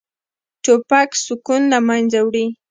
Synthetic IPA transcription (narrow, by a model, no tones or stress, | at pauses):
t͡ʃopaksʊkʊnamand͡ʒawɾi